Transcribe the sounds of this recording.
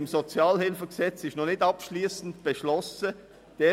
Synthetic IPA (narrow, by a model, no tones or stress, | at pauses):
mzot͡sjɑːlhɪlfəɡsɛt͡sɪʃnɔnɪtɑpʃliːsn̩tb̥əʃlɔsə | d̥eː